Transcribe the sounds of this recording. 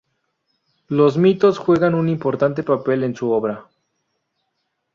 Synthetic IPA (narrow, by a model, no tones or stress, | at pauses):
lo̞zmit̪o̞sxwe̞ɣanunimpo̞ɾt̪ant̪e̞pape̞le̞nsuo̞βɾa